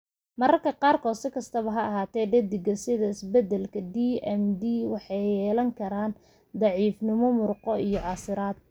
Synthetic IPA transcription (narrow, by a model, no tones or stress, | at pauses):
mɐɾɐrkʰɐqɑːrkʰɔːd̪sɪkʰɐst̪ʰɐβɐɦɐɐɦaːt̪ʰɛːɖɛd̪ɪɡɐsɪðɐɪsbɛd̪ɛlkʰɐd̪iɛmd̪iːwɑħɑjjɛːlɐŋkʰɐɾaːn | d̪ɑʕiːfnɪmɔmʊrqɔijɔʕɑsɪɾaːd̪̚